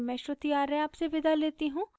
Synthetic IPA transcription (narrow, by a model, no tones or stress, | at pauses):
mɛ̃ːʃot̪ijaːɾɛ̃aːpseʋɪd̪ʱaleːt̪iɦũː